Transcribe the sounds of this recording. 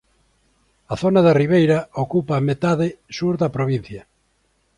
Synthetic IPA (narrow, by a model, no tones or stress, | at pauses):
ɐθonɐðɐriβejɾɐokupɐmet̪aðɪsuɾðɐpɾoβ̞in̟θjɐ